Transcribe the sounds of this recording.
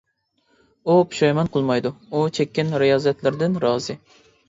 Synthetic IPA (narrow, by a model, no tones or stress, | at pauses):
upʰi̥ʃɑjmɛnqʰəlˠmɑjd̪uut͡ʃʰɛkʲːɪnɾijɑːzɛt̪lɪɾd̪ɪnɾɑːzɨ